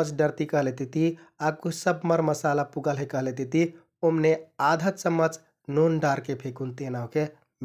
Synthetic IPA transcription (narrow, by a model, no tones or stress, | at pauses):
əd͡ʒɖəɾt̪ikəɦlet̪it̪i | akusəbməɾməsalapuɡəlɦekəɦlet̪it̪i | omnead̪ʱət̪səmːəd͡ʒ | nonɖaːɾkepʰekunt̪enaoke | m